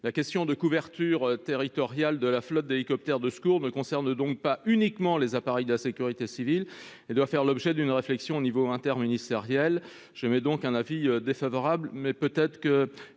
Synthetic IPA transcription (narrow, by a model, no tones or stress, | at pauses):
lakʲɛst̪jɔ̃d̪əkuvɛʁt̪yʁt̪eʁit̪ɔʁjald̪əlaflɔt̪̚d̪elikɔp̚t̪ɛʁd̪əskuʁnəkɔ̃sɛʁnd̪ɔ̃k̚paynikmɑ̃lezapaʁɛjd̪əlasekʲyʁit̪esivil | ed̪wafɛʁlɔbʒɛd̪ynʁeflɛksjɔ̃onivoɛ̃t̪ɛʁminist̪eʁjɛl | ʒ̥əmɛd̪ɔ̃kɛ̃naviød̪efavɔʁablmɛpøt̪ɛt̪χkə